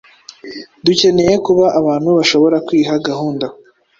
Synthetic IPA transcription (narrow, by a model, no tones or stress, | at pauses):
duce̞ne̞je̞kuβaʔaβaːn̥huβaʃo̞βo̞ɾakwiːɦaɡahuːnda